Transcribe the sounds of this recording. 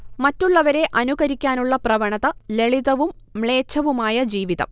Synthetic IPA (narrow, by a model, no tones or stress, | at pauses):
mɐtːuɭːɐʋɐɾe̞ʔɐnuɣɐɾikʲːaːnuɭːɐprɐʋɐɳɐðɐle̞ɭiðɐʋumː | ɭe̞ːt͡ɕʰːɐʋumaːjɐd͡ʑiːʋiðɐ̰m